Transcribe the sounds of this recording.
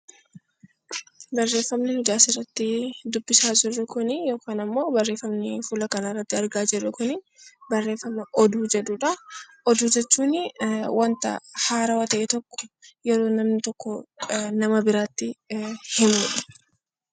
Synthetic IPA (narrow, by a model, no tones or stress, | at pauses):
bɐrːe̞ːfːɐmnɪhʊd̪aːsɪrːɐt̪ːɪd̪ʊbːɪsaːd͡ʒɪrːʊkʊnɪjo̞ːkaːnɐmːo̞ːbɐrːe̞ːfːɐmnɪfulɐkɐnɐɪrːɐt̪ːɪɐɾɡaːd͡ʒɛrːʊkʊnɪ | bɐrːe̞ːfɐmɐʔɔd̪uːd͡ʒɛᶑuᶑɐ | ɔd̪uːd͡ʒɛt͡ʃːuːnɪwɐnt̪ɐ̰haːɾɐwɐt̪ɐʔet̪ɔkːɔ̥jɛɾo̞ːnɐmnɪt̪ɔkːɔnɐmɐbɪɾaːt̪ːɪhɪmʊᶑɐ̥